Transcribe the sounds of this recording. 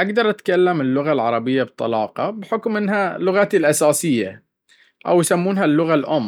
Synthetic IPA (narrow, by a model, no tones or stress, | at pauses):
ʔaɡd̪ɑɾˤʔat̪kalːamɪlːʊɣalʕɑ̰ɾˤɑbɪjːabt̪ˤːɑ̰lɑːqɑbɪħʊkmʔɪnːɦalːʊɣat̪ilʔasaːsɪjːa̰ | ʔa̰wjsamːuːnɦalːʊɣalʔʊmː